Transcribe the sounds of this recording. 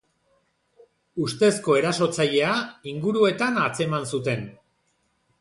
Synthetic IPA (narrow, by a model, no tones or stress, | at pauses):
ust̪e̞sko̞e̞ɾaso̞t͡saʎe̞aiŋɡuɾue̞t̪anat͡se̞mansut̪e̞n